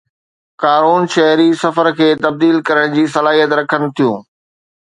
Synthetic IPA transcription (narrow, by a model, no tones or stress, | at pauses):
kaːɾuːnʃɐɦɾisɐfəɾkʰeːt̪ɐb̚d̪iːlkɐɾəɽ̃d͡ʑiːsɐlaːɦijət̪ɾɐkʰən̆t̪ʰijũː